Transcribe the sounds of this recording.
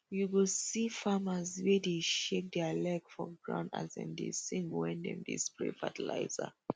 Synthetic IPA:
juɡusifamazwedeʃek̚dɛalɛɡfɔɡɹã̰ʊ̃nda̰zɛ̰̃ndḛsĩŋɡwɛ̃ndɛ̰̃mdḭsplḛfatəla̰ɪza̰

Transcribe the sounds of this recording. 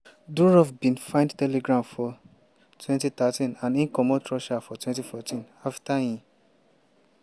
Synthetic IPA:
duɹɔfbĩnfãɪ̃ndtɛleɡɾãmfɔ | tʰwɛ̃ntit̪atĩnãnĩnkɔmɔ̃tɹɔʃafɔtʰwɛ̃ntifɔtĩn | aftajĩ

